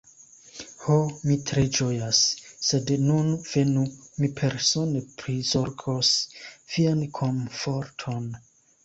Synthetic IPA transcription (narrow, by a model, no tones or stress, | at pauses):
homitɾed͡ʒojasːe̞dnunv̥e̞numipʰe̞ɾso̞nepɾizoɾɡʰosv̥iankʰonfoɾtʰo̞n